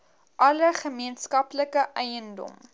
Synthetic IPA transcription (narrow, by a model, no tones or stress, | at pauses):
ʔɐləχəmiənskɐpləkəʔɛjəndɔ̰m